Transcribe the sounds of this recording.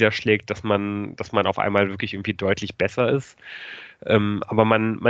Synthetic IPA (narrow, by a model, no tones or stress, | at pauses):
dɐʃlɛːk̚t̚d̥asmand̥asmana̰ʊfʔa̰ɪnmaːlvɪɐklɪçʔɪɡŋ̩tv̥iːdɔʏtʰlɪçb̥ɛsɐɪst | ʔɛːmʔaːbɐmanma